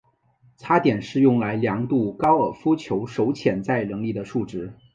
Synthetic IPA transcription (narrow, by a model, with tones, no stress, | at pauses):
t͡sʰa˥t̪jɛ˨˩nʂɻ̩˥˧jʊ˥˩ŋla˧˥ɪljɑ˧˥ŋt̪u˥˩kɑ˥ʊə˞˨˩fu˥t͡ɕʰjo˧˥ʊʂo˧˥ʊt͡ɕʰjɛ˨˩nt͡sa˥˩ɪlɤ˧˥ŋli˥˩d̪ə˩ʂu˥˩ʈ͡ʂɻ̩˧˥